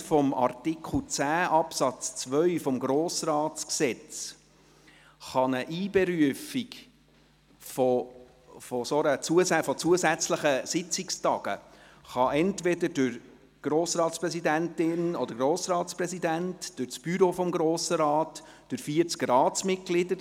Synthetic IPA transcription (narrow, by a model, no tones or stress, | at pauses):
fɔmɑ̰rtikχl̩t͡sæːʔɑpsɑt͡st͡sʋœʏfɔmɡɾoːsɾɑːtt͡sksɛt͡s | χɑnəʔiːbɛɾyəfik | fɔ | fɔsoɾət͡suəsæfɔt͡suəzæt͡sləχəsɪt͡sɪkstɑɡ̥ə̰ | χɑʔɛntvɛdəɾdʉɾ | ɡ̥ɾoːsɾɑːtspɾɛsidæntɪnɔd̥̪əɾɡɾoːsɾɑːtspɾɛsid̪æntd̥ʊɾt͡sb̥yɾofɔmɡɾoːsəɾɑːtd̥øɾfiəɾt͡skɾɑːtsmɪt̚ɡ̥lɪdə